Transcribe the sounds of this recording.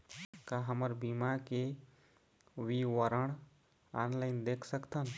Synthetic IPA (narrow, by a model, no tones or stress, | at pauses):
kaɦəməɾbimake | ʋiʋəɾəɽ̃ | aːnlaɪnd̪eːkʰsəkt̪ən